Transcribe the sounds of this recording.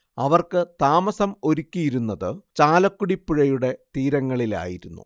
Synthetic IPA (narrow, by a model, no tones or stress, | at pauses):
ɐʋɐrkɨt̪aːmɐsɐmo̞ɾukʲːijiɾunːɐðɨt͡ɕaːlɐkːuɽipːuɻɐjuɽe̞t̪iːɾɐŋːɐɭila̰ːjiɾunːṵ